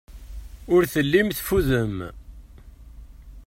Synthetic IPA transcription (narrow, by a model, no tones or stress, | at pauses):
ʊɾθəlːimθfuðəm